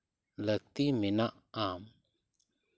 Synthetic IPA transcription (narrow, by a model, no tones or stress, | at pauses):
lək̚t̪iminaʔ | am